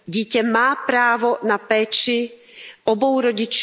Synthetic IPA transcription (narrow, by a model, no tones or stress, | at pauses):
ɟicɛmaːpɾaːʋɔnapɛːt͡ʃi | ɔbɔwɾɔɟit͡ʃ